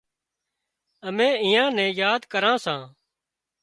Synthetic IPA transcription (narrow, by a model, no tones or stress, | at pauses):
əmẽːɪjãːnɛ̃ːjaːd̪kəɾãːsãː